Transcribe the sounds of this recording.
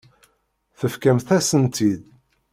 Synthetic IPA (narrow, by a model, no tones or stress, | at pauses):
θəfkæmθæsənt̪ʰid̪